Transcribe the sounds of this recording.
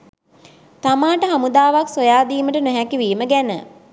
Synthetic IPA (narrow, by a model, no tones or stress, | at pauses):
t̪amaːʈəɦamud̪aːʋaksojaːd̪iːməʈənɛɦækiʋiːməɡænə̰